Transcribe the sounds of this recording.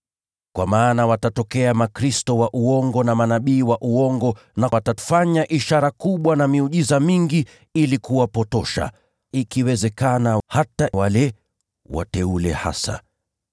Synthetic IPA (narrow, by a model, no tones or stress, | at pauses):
kwamaːnawatatɔkɛamakɾistɔwaʔuɔŋɡɔnamanaɓiːwaʔuɔŋɡɔnawatafaɲaʔiʃaɾakuɓwanamiuʄizamiŋɡi | ilikuwapɔtɔʃa̰ | ikiwɛzɛkanahatawalɛ | wa̰tɛulɛha̰sa̰